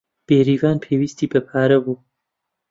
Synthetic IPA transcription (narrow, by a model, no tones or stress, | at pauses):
b̥eːɾiːvaːnpʰeːwiːst̪iːbɐpʰaːɾɐbuː